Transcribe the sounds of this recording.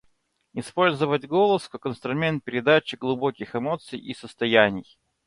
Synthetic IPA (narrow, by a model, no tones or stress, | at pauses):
ɪspo̞lʲzəvətʲɡo̞lˠəskakənst̪ɾʊmʲe̞nt̪̚pʲɪɾʲɪd̪at͡ɕɪɡlˠʊbo̞kʲɪxɨmo̞t̪sɨjisəst̪ɐjænʲɪj